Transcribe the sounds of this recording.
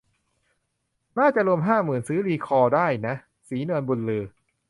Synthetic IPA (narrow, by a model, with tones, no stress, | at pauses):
naː˥˩t͡ɕa˨ʔɾu˧əmɦaː˥˩mɯː˨˩nsɯː˦˥liː˧kʰɔː˧daː˥˩jna˦˥ | siː˩˦nɯ˧ənbu˧nlɤː˧˩